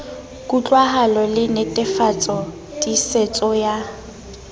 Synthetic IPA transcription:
kʼut͡ɬʼwaɦalɔlɪnetʼɪfat͡sʼɔ | tʼiset͡sʼɔja

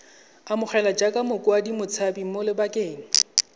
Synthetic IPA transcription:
amʊχʰɛlad͡ʒakʼamʊkʼʊadimʊt͡sʰabimʊlɪbakʼeːŋ̩

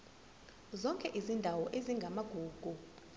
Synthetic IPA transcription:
zɔŋkʼɛʔizindʱawɔʔeziŋɡʱamaɡ̥ʱuːɡ̥ʱu

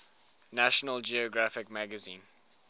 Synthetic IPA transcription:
næʃənəld͡ʒiɔɡɹafɪkmæɡəzĩːn

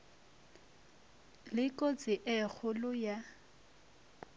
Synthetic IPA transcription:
lɪkʼot͡sʼɪʔɪk͡xʰʊlʊja

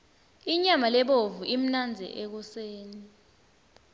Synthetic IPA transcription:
iɲamalɛɓovuʔim̩nand͡zʱɛ̰ʔɛk̬ɔseːni

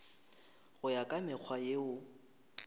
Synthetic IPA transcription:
ɣʊjakʼamɪk͡xʰwajeʊ

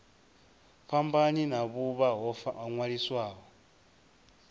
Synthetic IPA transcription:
ɸambaninaβuβaɦɔɦŋwaɺiswaːɦɔ

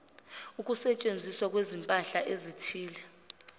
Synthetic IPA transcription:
uk̬ʼusɛt͡ʃʼend͡zʱiswak̬wezimpʼaɬaʔezitʰiːlɛ

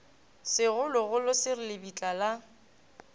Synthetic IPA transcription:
sɪɣʊlʊɣʊlʊsɪrɪlɪbit͡ɬʼala

